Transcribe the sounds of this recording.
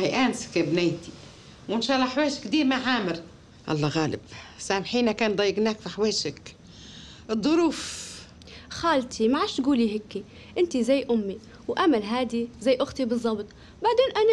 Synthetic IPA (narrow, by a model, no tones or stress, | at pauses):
hajʔaːnskɪbnajt̪i̥ | wʊnʃaːlaħweːʃkd̪iːɾmaʕaːmɪɾ | ʔɑ̰lˤːɑɣaːlɪ̰bsaːmħiːnakaːnd̪ˤɑjːɪɡnaːkfiħweːʃak | ʔɨd̪ˤːʊɾuːf | xaːlt̪ʰimaʕaːʃt̪ɡuːliɦɪkːi | ʔɪnt̪izajːʔʊmːi | wʔamalɦaːd̪izajːʔʊxt̪ibɨzˤːɑbt̪ˤ | baʕd̪eːnʔana